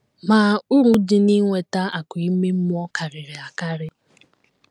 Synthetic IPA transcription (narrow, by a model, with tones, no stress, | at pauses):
maː˨ʊ˦ɾʊ˦di˦ni˦ŋʷe˨ta˦a˨ki˦me˦m̩˦mʊ˦ɔ˦ka˨ɾɪ˨ɾɪ˨a˨ka˦ɾɪ˦